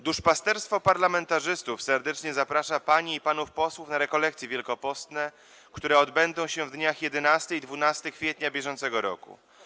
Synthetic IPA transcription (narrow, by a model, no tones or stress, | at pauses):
d̪uʂpast̪ɛɾst̪fɔpaɾlamɛnt̪aʐɘst̪ufsɛɾd̪ɛt͡ʂɲɛzapɾaʂapaɲiːpanufpɔswufnaɾɛkɔlɛk̚t̪sʲjivʲjɛlkɔpɔst̪nɛ | kt̪uɾɛɔd̪bɛnd̪ɔ̃w̃ɕɛvd̪ɲaxjɛd̪ɛnast̪ɘid̪vunast̪ɘkfʲjɛt̪ɲabʲjɛʐɔnt̪sɛɡɔɾɔ̰kṵ